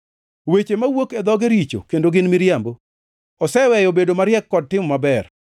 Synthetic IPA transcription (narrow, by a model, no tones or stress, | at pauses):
wet͡ʃemawoked̪ɔɡeɾit͡ʃo̰kendoɡɪnmɪɾjambo | ɔsɛwɛjɔbedomaɾjɛkːɔd̚tɪmɔmabɛr